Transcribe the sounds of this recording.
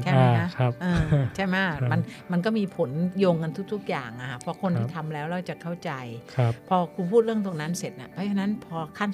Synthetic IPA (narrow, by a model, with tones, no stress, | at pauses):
t͡ɕʰa˥˩jma˦˥kʰa˦˥˦ʔɤː˧t͡ɕʰa˥˩jma˦˥˩ma˧nma˧nk̬ɔː˥˩miː˧pʰo˩˦njoː˧ŋka˧nt̪ʰu˥k̚t̪u˦˥k̚ja̰ː˨˩ŋʔa˧˩kʰa˦˩pʰɔ˧˥kʰo˧nt̪iː˧˥˩t̪ʰa˧mlɛː˦˥wɾa˧wt͡ɕa˨˩kʰa˥˩wt͡ɕa˧jʰpʰɔː˧kʰuː˧pʰu˥˩t̪̚ɾɯ˥˩əŋt̪oː˧ŋna˦˥nse˨˩t̪̚ʔa̰˧˩pʰɔː˦˥t͡ɕʰa˧na˦˥npʰɔː˧kʰaː˥˩n